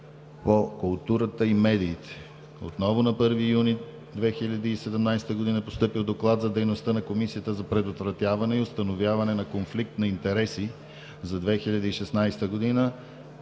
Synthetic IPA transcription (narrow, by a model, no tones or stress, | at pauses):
pokʊlˠt̪uɾət̪əimɛd̪iːt̪ɛ̥ | o̰t̪nɔvʊnɐpɤɾvijuni | d̪vɛxilʲəd̪iːsɛd̪ɛmnajsɛ̥t̪əɡod̪inəpost̪ɤpilˠd̪oklˠat̪zɐd̪ɛjnost̪ənɐkomisijət̪əzɐpɾɛd̪ot̪vɾɐt̪javɐnɛiost̪ɐnovjavɐnɛnɐkonflik̚t̪nɐint̪ɛɾɛsi | zɐd̪vɛxilʲɐd̪iːʃɛsnajst̪əɡod̪inə